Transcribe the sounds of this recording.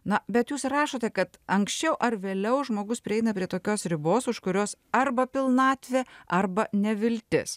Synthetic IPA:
nɐbʲɛt̪juːsɾɑːʃoːt̪ʲɛkɐt̪ɐŋksʲt͡ʃʲɛʊʔɐɾʋʲeːlʲɛʊʒmoːɡʊspʲɾʲɪɛɪnɐpʲɾʲiɛt̪oːkʲoːsɾʲɪboːsʊʃkʊɾʲoːsɐrbɐpʲɪlˠnɑːt̪ʲʋʲeːɐrbɐnʲɛʋʲɪlʲt̪ʲɪ̰s

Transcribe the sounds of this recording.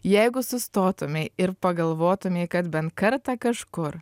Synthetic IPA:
jɛɪɡʊsʊst̪oːt̪ʊmʲɛɪɾpɐɡɐlˠʋoːt̪ʊmʲekɐt̪bʲɛnt̪̚kɐɾt̪ɑːkɐʃkʊɾ

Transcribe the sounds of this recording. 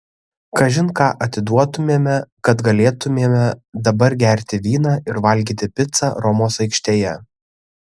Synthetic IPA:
kɐʒʲɪnkɑːʔɐt̪ʲɪd̪uɔt̪ʊmʲeɛmʲɛkɐt̪ɡɐlʲeːt̪ʊmʲeːɛmʲɛd̪ɐbɐɾɡʲæɾʲt̪ʲɪʋʲiːnɑːʔɪɾʋɐlʲɡʲiːt̪ʲɪpʲɪt̪sɑːɾɔmoːsɐɪkʃʲt̪ʲeːjɛ

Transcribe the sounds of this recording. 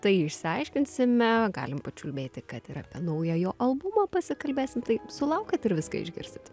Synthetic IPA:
t̪ɐɪɪʃʲsʲɪɐɪʃʲkʲɪnʲsʲɪmʲɛɡɑ̰ːlʲɪmpɐt͡ʃʲulʲbʲeːt̪ʲɪkɐt̪ɪɾɐpʲiɛnɐʊjɐjoːʔɐlˠbumɐːpɐsʲɪkɐlʲbʲeːsʲɪmt̪ɐɪsʊlˠɐʊkʲɛt̪ɪɾʋʲɪskɐ̰ɪ̰ʒʲɡʲɪ̰ɾʲsʲɪt̪

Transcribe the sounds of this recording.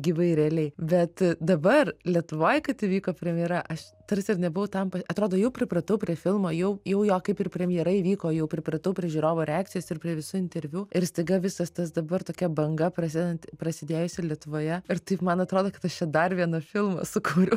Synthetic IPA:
ɡʲiʋɐɪɾʲɛɐlʲɛɪbʲɛt̪d̪ɐbɐrlʲiɛt̪ʊʋoːjkɐt̪iʋʲiːkoːpʲɾʲɛmʲɪjɛɾɐʔɐʃ | t̪ɐrsʲɪɾnʲɛbʊʋɐʊt̪ɐmpɐɐt̪ɾoːd̪oːjɛʊpʲɾʲɪprɐt̪ɐʊpʲɾʲiɛfʲɪlˠmoːjɛʊjɛʊjoːkɐɪpɪrpʲɾʲɛmʲɪjɛɾɐiʋʲiːkoːjɛʊpʲɾʲɪprɐt̪ɐʊpʲɾʲiɛʒʲuːɾoːʋoːɾʲɛæːkt̪t͡sʲɪjɛːsɪrpʲɾʲiɛʋʲɪsuːɪnʲt̪ʲɛɾʲʋʲjuːɪɾsʲt̪ɐɪɡɐʋʲɪsɐst̪ɐsd̪ɐbɐrt̪oːkʲɛbɐŋɡɐpɾɐsʲid̪ɛnt̪ʲpɾɐsʲɪd̪ʲeːjʊsʲɛlʲiɛt̪ʊʋoːjɛɪɾt̪ɐɪpmɐnɐt̪ɾoːd̪oːkɐt̪ɐʃt͡ʃʲɛd̪ɐrʋʲiɛnɐfʲɪlˠmo̰sʊkuːɾʲʊ

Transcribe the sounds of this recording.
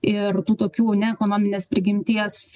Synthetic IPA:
ɪɾt̪uːt̪oːkʲuːnʲɛɛkoːnoːmʲɪnʲeːspʲɾʲɪɡʲɪmʲt̪ʲiɛs

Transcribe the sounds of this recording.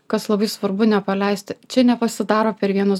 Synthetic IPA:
kɐslˠɐbɐɪsʋɐɾbʊnʲɛpɐlʲɛɪsʲt̪ʲɪt͡ʃʲɛnʲɛpɐsʲɪd̪ɑːɾoːpʲɛɾʋʲiɛnʊs

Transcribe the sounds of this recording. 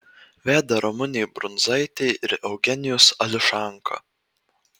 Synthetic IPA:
ʋʲæːd̪ɐɾɔmʊnʲɛjbɾʊnzɐɪt̪ʲɛɪʔɪɾɛʊɡʲɛnʲɪjʊsɐlʲɪʃɑˑŋkʰɐ̰

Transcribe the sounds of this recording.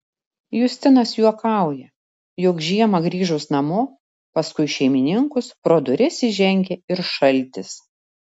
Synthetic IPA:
jʊsʲt̪ʲɪnɐsjuɔkɑˑʊjɛ | jʊkʒʲiɛmɐɡɾʲiːʒʊsnɐmʊ | pɐskʊɪʃʲɛɪmʲɪnʲɪŋkʊspɾoːd̪ʊɾʲɪsʲɪʒʲɛŋʲɡʲɛɪɾʃɐlʲˑt̪ʲɪs

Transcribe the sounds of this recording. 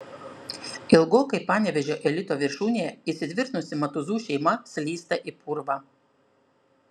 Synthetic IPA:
ɪlˠɡoːkɐɪpɑːnʲɛʋʲɛʒʲoːʔɛlʲɪt̪oːʋʲɪɾʃuːnʲejɛiːsʲɪd̪ʲʋʲɪɾt̪nʊsʲɪmɐt̪ʊzuːʃʲɛɪmɐsʲlʲiːst̪ɐʔipʊɾʋɑ

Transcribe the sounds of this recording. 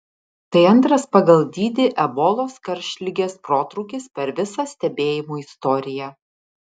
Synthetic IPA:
t̪ɐɪɐnˑt̪ɾɐspɐɡɐlˠd̪ʲiːd̪ʲɪʔɛbɔːlˠoːskɐɾʲʃʲlʲɪɡʲeːspɾoːt̪ɾʊʊkʲɪspʲɛɾʋʲɪsɐsʲt̪ʲɛbʲeːjɪmuːɪst̪ɔɾʲɪjɛ

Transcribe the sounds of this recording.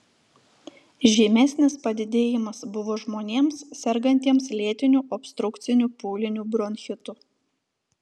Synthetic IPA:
ʒʲiːmʲɛsʲnʲɪspɐd̪ʲɪd̪ʲeːjɪmɐsbʊʋoːʒmoːnʲeːmssʲɛɾɡɐnʲt̪ʲiɛmslʲeɛt̪ʲɪnʲuːʔɔpʲst̪ɾʊkt̪sʲɪnʲuːpuːlʲɪnʲuːbɾɔnʲxʲɪt̪uː

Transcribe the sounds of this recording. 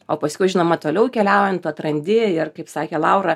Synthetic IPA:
oːpɐsʲkʊɪʒʲɪnoːmɐt̪oːlʲɛʊkʲɛlʲɛʊjɛnt̪uːt̪ɾɐnʲd̪ʲɪɪrkɐɪpsɑːkʲeːlˠɑʊɾɐ

